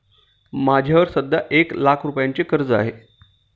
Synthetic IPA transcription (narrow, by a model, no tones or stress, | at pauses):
mad͡ʑʱjaʋəɾsəd̪ʱːaʔeklakʰɾupjaɲt͡ɕekəɾd͡zəa̰ɦe